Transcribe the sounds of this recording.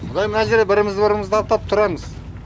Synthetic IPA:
bʊd̪ɑjmɪnɑʒeɾebɪɾɪmɪzd̪bɪɾɪməzd̪ʰɑp̚t̪ɑp̚t̪ʰʊɾɑməz̥

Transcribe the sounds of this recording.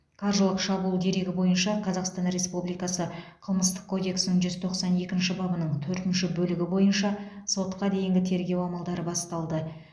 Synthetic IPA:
kʰɑɾʒəlˠəqʃɑbuːlˠd̪e̞ɾe̞ɡʲɪbo̞jənʃɑqʰɑzɑqst̪ɑnɾe̞spublijkɑsəqʰəlˠməst̪ə̥q̚kʰːo̞d̪e̞ksɪnəɴʒʏzt̪ʰo̞qsɑne̞kʲɪnʃɪbɑbənəɴt̪ʰɵɾt̪ɪnʃɪbɵlɪɡʲɪbo̞jənʃɑso̞t̪qɑd̪e̞jɪŋɡʲɪt̪ʰe̞ɾɡʲe̞wɑmɑlˠd̪ɑɾəbɑst̪ɑlˠd̪ə

